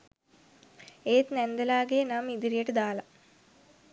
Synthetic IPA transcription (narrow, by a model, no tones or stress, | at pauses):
eːt̪nend̪ɐlaːɡeːnɐmid̪iɾijeʈɨd̪aːlɐ